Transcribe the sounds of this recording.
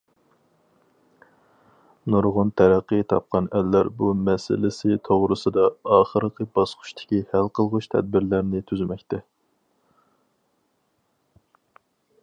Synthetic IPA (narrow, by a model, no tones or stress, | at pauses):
noɾʁʊnt̪ʰɛɾæqːət̪ʰɑ̰p̚qɑnɛlːæɾbumɛsɪ̰lɪsɪt̪ʰoʁɾɨsɨd̪ɑːχəɾqʰəbɑsqʰʊ̥ʃt̪ʰɪ̥kʲihælqəlˠʁʊʃt̪ʰɛ̰d̪̚bɪɾlæɾnɪt̪ʰyzmɛkʲt̪ʰɛ